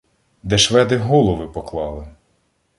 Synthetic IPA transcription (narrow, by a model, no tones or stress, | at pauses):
d̪ɛʃʋɛd̪ɪɦɔlˠɔʋɪpɔklˠɑlˠɪ